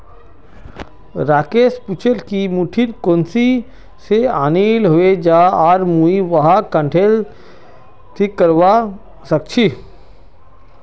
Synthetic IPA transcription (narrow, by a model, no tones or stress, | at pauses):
ɾaːkeːsput͡ʃʰelkimuʈʰiɾkoːnsi | seaːniːlɦoed͡ʒaːaːɾmuiʋɐɦakə̃ɳʈʰeːl | t̪ʰikəɾʋa | sək̚t͡ʃʰi